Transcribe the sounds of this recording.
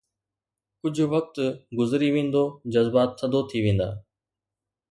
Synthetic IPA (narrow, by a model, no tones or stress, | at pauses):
kʊd͡ʑʱʊʋɐk̚t̪ɡʊzɾiʋẽːn̆d̪oːd͡ʑɐzbaːt̪ʰːənd̪ot̪ʰiʋẽːn̆d̪a̰ː